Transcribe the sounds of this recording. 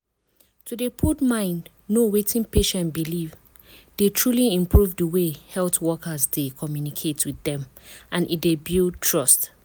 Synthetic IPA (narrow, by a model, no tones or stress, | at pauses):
tudepʰutmãɪ̃nd | nowetʰĩnpeʃɛ̃nbiliv | d̥etʰɹuliĩmpʰɹuvdəwehɛltwɔkʰəzdekʰɔmjunikʰetʰwiðɛ̃mʔãnʔit̚debild̚tʰɹɔst